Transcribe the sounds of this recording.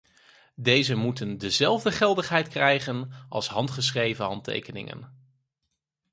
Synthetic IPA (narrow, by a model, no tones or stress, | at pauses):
dejzəmutəndəzɛlˠvdəχɛlˠdəχɦɛjtkrɛjχənʔɑ̰lˠsɦɑntχəs̬χrejvəɦɑntḛjkənɪ̰ŋə̰n